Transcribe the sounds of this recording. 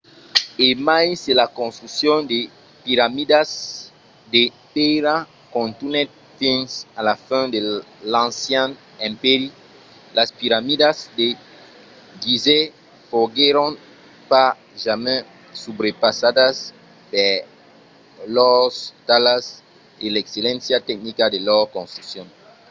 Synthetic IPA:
emajselakõnst̪ɾuksjɔ̃nd̪e | piɾamidaz | d̪e | peɾa | kõnt̪unɛt̪ | fĩnsalafɛ̃d̪elãnsjãn | ɛ̃mpeɾi | laspiɾamidazd̪e | ɡize | foɡeɾõn | pa | ʒamɛ̃ | subɾepasadas | pe | lɔst̪alas | elekselɛ̃nsjat̪ɛk̚nikad̪elɔkõnst̪uksjɔ̃ŋ

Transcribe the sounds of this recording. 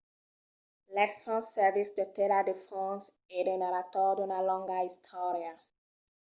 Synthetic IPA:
lɛsɔ̃nsːɛvisdəteladefɔ̃s | edənaɾatɔdɔnalɔ̃ŋɡaistʰɔɹia

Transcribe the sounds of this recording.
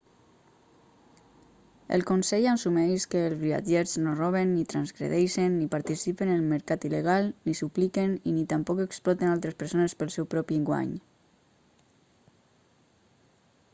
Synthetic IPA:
ə̰lˠkonsɛʎansumɛjʃkəːlˠzβ̞ia̰d͡ʒeɾznorɔβ̞enːit̪ɾanzɣɾḛðɛjʃenːipaɾt̪isipenəlməɾkat̪ileɣ̞alˠnisuplikeninit̪ampɔkeksplɔt̪enalˠt̪ɾespəɾsonespəlˠsɛwpɾɔpiəŋɡwa̰ɲ

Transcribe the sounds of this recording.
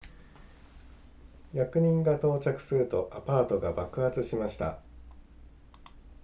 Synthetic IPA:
jakɯ̟ɲ̟ĩŋɡat̪o̞ːt͡ɕakɯ̟̥sɨɾɯ̟t̪o̞ʔapaːt̪o̞ɡabakɯ̟hat͡sɨɕimaɕi̥t̪a̰

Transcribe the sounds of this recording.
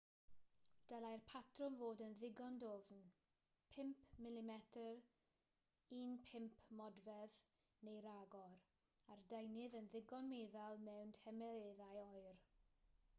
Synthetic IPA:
d̥əlˠajrpʰatʰrʊmvoːdənðɪɡɔndovn | pʰɪmpʰmɪlɪmɛtʰər | iːnpʰɪmpʰmɔdvɛð | nejɾaɡɔɾ | ardejnɪðənðɪɡɔnmeːðalˠmɛwntʰɛmɛɾeðajɔɨr

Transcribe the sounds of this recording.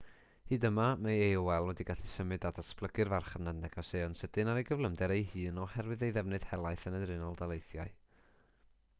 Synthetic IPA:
hɨːdəmamaewɛlˠwɛdiɡaɬisəmɨdadasplˠəɡɨrvarχənadnɛɡɔseɔnsəd̥ɨnaɾejɡəvləmdɛɾejɦɨːnɔhɛrwɨðejðɛvnɨð̥hɛlˠajθənənrɪnɔlˠdalˠejθjaɨ

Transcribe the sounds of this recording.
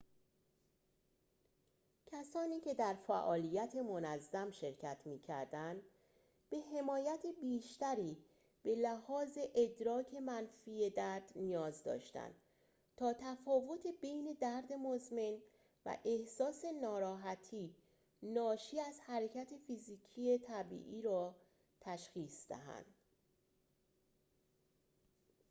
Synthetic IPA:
cʰæsɒːniːcʰe̞d̪æɾfæ̰ʔɒːlijæt̪ʰemonæzːæmʃe̞ɾcʰæt̪ʰmiːcʰæ̰ɾd̪ænd̪ | b̥e̞he̞mɒːjæt̪ʰebiːʃt̪æɾiː | b̥e̞læhɒːze̞ʔed̪ɾɒːcʰe̞mænfiːje̞d̪æɾd̪̥nijɒːzd̪ɒ̰ːʃt̪æ̰nd̪̥ | t̪ʰɒːt̪ʰæfɒːvo̞t̪ʰebejne̞d̪æɾd̪e̞mozme̞n | væ̰ʔe̞hsɒːse̞nɒːɾɒːɦæt̪ʰiː | nɒːʃiːæz̥hæɾe̞cʰæt̪ʰe̞fiziːcʰie̞t̪ʰæbḭːʔiːɾɒː | t̪ʰæʃxiːsd̪æ̰ɦæ̰nd̪̥

